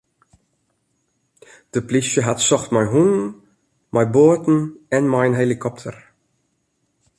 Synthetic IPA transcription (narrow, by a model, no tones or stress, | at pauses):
d̥əplisjəɦatsɔxtmajɦunə | majboːtn̩ɛnmajənɦelikʰɔptʰə̰r